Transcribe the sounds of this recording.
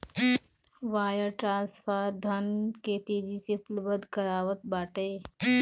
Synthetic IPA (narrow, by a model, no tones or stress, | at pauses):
ʋaːjəɾʈɾãːnspʰaːɾd̪ʱənket̪eːd͡ʒiseplbəd̪kəɾaːwət̪̚baːʈeː